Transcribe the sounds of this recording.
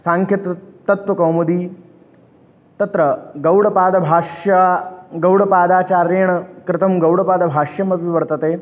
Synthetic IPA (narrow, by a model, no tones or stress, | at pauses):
sãːŋkʰjɐt̪t̪ːɐt̪ʋɐkɐwmɐd̪iː | t̪ɐt̪ɾɐɡɐwɽɐpaːd̪ɐbʱaːʂjɐɡɐwɽɐpaːd̪aːt͡ʃaːɾeːɳkɾɪt̪ʰɐmɡɐwɽɐpaːd̪ɐbʱaːʂjɐmɐpiʋɐɾt̪ɐt̪eː